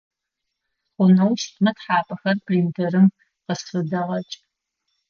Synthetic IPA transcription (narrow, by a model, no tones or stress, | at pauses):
χʷʊnɐwʃtʰʼmɐtħaːpʰʼɐxɐrpʰriːntʰɐrɨm | qəsfɨdɐʁɐt͡ʃʼ